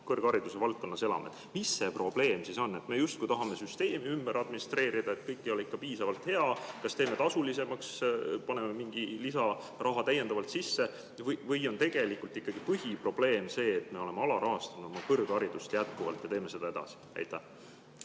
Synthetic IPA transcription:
kɤrɡ̥ɑɾid̪̥use̞vɑlt̪̚ko̞nːɑse̞lɑ̰mḛd̪̥misːe̞pro̞b̥le̞ːmsiso̞nːe̞t̪me̞just̪̚kujt̪ɑɦɑme̞syst̪e̞ːmiymbeɾɑd̪̚minist̪re̞ːɾid̪̥ɑe̞t̪kɤjkːˑio̞likːɑpiːsɑvɑlt̪he̞ɑkɑst̪e̞ːme̞t̪ɑsulise̞mɑkspɑne̞memiŋɡ̥ilisɑ | rʔɑɦɑt̪æjend̪̥ɑvɑlt̪sisːe̞ | vɤjvɤjo̞nt̪e̞ɡ̥e̞likːˑult̪ikːɑɡ̥ipɤɦipro̞b̥le̞ːmse̞ːt̪me̞o̞le̞me̞ɑlɑɾɑɦɑst̪ɑnu̥omɑkɤrɡ̥ɑɾid̪̥ust̪jæt̪̚kuvɑ̰lt̪jɑt̪e̞ːme̞se̞d̪̥ɑe̞d̪̥ɑ̰si̥æ̰jt̪ːˑæh

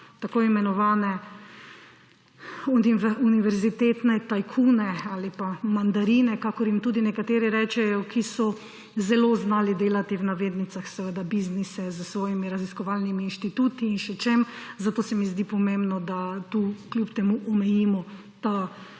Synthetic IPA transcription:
t̪akoːimɛnɔʋaːnɛ | uuniʋɛɾzit̪et̪nɛt̪ajkʰuːnɛalipamand̪aɾiːnɛkakɔɾjimt̪uːd̪inɛkat̪eːɾiɾɛːt͡ʃɛjɔkʰisɔ | zɛloːznaːlid̪eːlat̪iwnaʋeːd̪nit̪saxsɛʋəd̪abiznisɛzəsʋɔːjimiɾaziskɔʋaːlnimiːnʃt̪it̪uːt̪iːnʃɛt͡ʃemzat̪oːsɛmizd̪ipɔmẽmbnɔd̪at̪ukljupt̪ɛmuʔɔmɛjiːmɔ | t̪a

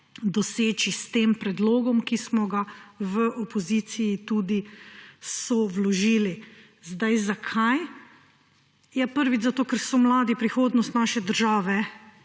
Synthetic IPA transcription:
d̪ɔseːt͡ʃist̪eːmpɾɛd̪loːɡɔmkismɔɡaʋəʔɔpɔziːt̪sijːt̪uːd̪i | sɔwlɔʒiːli | zd̪ajzakʰaj | jɛpəɾʋit͡ʃzat̪oːkɛɾsɔmlaːd̪ipɾixoːd̪nɔst̪naːʃɛd̪əɾʒaːʋɛ

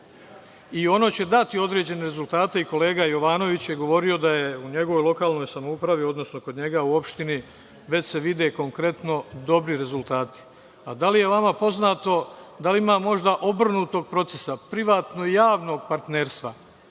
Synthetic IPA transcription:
io̞no̞ːt͡ɕe̞d̪at̪io̞d̪ɾe̞ːd͡ʑe̞ne̞ɾe̞zulˠt̪aːt̪eiko̞le̞ːɡajo̞ʋaːno̞ʋit͡ɕjeɡo̞ʋo̞ɾio̞d̪aje̞uɲe̞ɡo̞ʋo̞jlo̞kaːlno̞jsamoupɾaʋio̞d̪no̞sno̞ko̞d̪ɲe̞ɡauo̞pʃt̪ini | ʋe̞t͡ɕse̞ʋid̪e̞ko̞ŋkɾe̞t̪no̞d̪o̞bɾiɾe̞zulˠt̪aːt̪i̥ | ad̪alije̞ʋamapo̞znaːt̪o̞d̪aliimaːmo̞ʒd̪aʔo̞br̩nuːt̪o̞ɡ̚pɾo̞t̪se̞̥sapɾiʋaːt̪no̞ijaːʋno̞ːɡ̚paɾt̪ne̞ːɾst̪ʋa

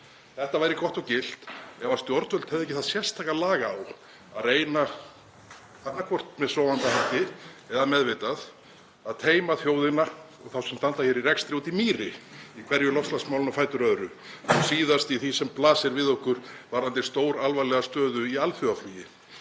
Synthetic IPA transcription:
θɛht̪avaːjɾɪkɔht̪ɔwcɪl̥t̪ɛvaɾ̥st̪jɔɾt̪vœl̥t̪hɛvðɛcɪθaðsjɛr̥st̪ʰajkalaːɣaːw | aðreːjna | θanːakʰvɔr̥t̪mɛðsɔːwvant̪ahɛht̪ɪɛðamɛðvejt̪að | aðt̪ʰeːjmaθjoːwðɪna | ɔɣθawsɛmst̪ant̪açjɛɾirɛkst̪ɾjut̪imiːɾɪikʰvɛɾjʏlɔfst̪lasmawlʏnafaːjt̪ʏɾœðɾʏ | ɔsiːðast̪iθisɛmplaːsɛɾvɪðɔhkʏɾ̥vaɾant̪ɪ̥st̪oːwɾalvajlɛɣast̪œːðʏialfjʏaflijɪ

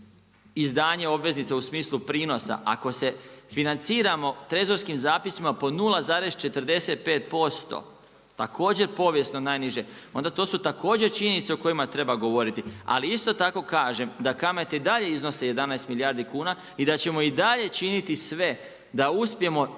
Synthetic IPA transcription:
izd̪aːɲe̞o̞bʋe̞znit̪sausmiːslˠupɾiːno̞sa̰ʔa̰ko̞se̞finant̪siːɾamo̞t̪ɾezo̞ɾskimzaːpisimapo̞nulˠazaːɾe̞z̥t͡ʃe̞t̪əɾd̪e̞se̞t̪̚pe̞ːt̪̚po̞st̪o̰ | t̪akʰo̞ːd͡ʑe̞ɾpo̞ʋje̞st̪no̞naːjniʒe | o̞nd̪at̪o̞ːsut̪ako̞ːd͡ʑe̞ɾt͡ʃiɲe̞nit̪seoko̞jimat̪ɾe̞baɡo̞ʋo̞ɾit̪ia̰liist̪o̞t̪ako̞kaːʒe̞md̪akame̞t̪eid̪aʎe̞iznoseje̞d̪anajst̪milijaːɾd̪ikuːna | id̪at͡ɕe̞mo̞id̪aʎe̞t͡ʃinit̪isʋe̞ | d̪auspje̞mo̞

